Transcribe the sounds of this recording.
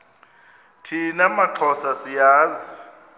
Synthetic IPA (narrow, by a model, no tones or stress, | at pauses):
tʰinamaǃʰɔsasijaːzi